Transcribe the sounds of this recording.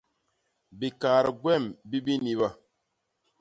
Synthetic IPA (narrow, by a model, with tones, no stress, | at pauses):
bi˨kaː˨ɾə˨ɡwɛ˦˨mbi˦bi˦ni˦βa˦˨